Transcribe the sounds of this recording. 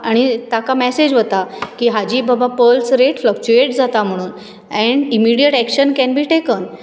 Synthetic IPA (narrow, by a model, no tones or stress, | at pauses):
aɽ̃it̪akamɛsed͡ʑʋət̪akiːɦad͡ʑiːbəbapəlsɾeʈflək̚t͡ɕueʈd͡zat̪am̤əɽ̃uːn | ɛ̃ɳɖimiɽijəʈækɕənkɛ̃nbʱiːʈekən